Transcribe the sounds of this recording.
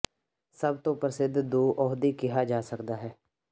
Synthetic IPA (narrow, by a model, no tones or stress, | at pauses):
səb̚t̪õːpəɾsɪd̪d̪oːʔɔːɦd̪iːkɪɦaːd͡ʒaːsəkd̪aːɦɛː